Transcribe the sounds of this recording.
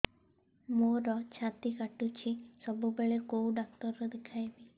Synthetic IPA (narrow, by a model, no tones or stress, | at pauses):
moɾɔt͡ʃʰat̪ikaʈut͡ʃʰisɔbubeɭekowɖak̚t̪ɔɾɾɔd̪ekʰajbi